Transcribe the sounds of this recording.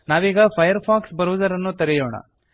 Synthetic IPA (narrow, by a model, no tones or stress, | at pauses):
naːʋiːɡɐpʰɐjɐɾpʰaːksbɐɾuʋud̪ɐɾɐnːut̪ɐɾɛjoːɳɐ̰